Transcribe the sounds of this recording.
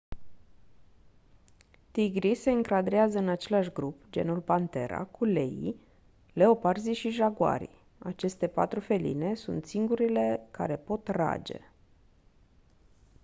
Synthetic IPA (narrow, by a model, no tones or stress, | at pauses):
t̪iɡɾise̞ɨŋkɾad̪ɾeazəɨnat͡ʃe̞laʃɡɾupd͡ʒe̞̰nulpant̪e̞̰ɾa̰kʰule̞ḭ | le̞o̞parziʃiʒaɡua̰ɾḭ | at͡ʃe̞st̪e̞pa̰t̪ɾufe̞lḭne̞sunt̪siŋɡuɾile̞kaɾe̞po̞t̪ra̰d͡ʒe̞̰